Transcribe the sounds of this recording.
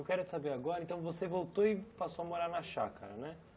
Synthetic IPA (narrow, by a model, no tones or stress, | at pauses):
wkɛɾʊt͡ʃɪsabeɾaɡɔɾɐẽnt̪ɐ̃w̃vosevowt̪oɪpasoamoɾaɾnɐʃakʰa̰ɾɐ̰nɛ